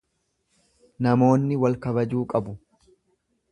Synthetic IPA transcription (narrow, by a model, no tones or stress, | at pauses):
nɐmo̞ːnːɪwɐlkɐbɐd͡ʒuːkʼɐbʊ